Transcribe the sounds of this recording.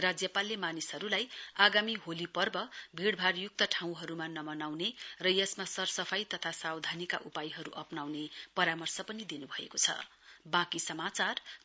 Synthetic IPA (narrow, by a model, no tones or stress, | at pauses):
rad͡zjʌpalːemanisɦʌɾulajaɡamiɦolipʌrbʌbʱiɽbʱarjuk̚t̪ʌʈʰãw̃ɦʌɾumanʌmʌnawnerʌjʌsmasʌrsʌpʰʌjt̪ʌt̪ʰasawd̪ʱanika̰ʔupajɦʌɾṵʔʌpnawnepʌɾamʌrsʌpʌnid̪inubʱʌḛkot͡sʰʌ̰ | bãkisʌmat͡sar